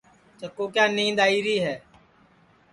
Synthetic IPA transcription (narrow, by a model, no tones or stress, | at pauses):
t͡ʃəkːoːkjãːnĩːd̪aːiːɾiːɦɛː